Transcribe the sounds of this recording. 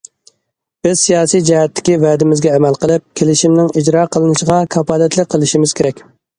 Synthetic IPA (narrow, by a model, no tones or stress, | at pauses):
b̥ɪzsijɑːsijd͡ʒɛhɛt̪ːɪ̥kʲivɛd̪ɪmɪzɡʲɛːmælqəlˠɨp̚kʲʰelɪʃimnɪŋid͡ʒɾɑːqʰəlˠɨnɨʃəʁɑkʰɑpɑːd̪ɛt̪lɪk̚ʲqʰːəlˠɨʃimɪz̥kʲeɾɛkʲ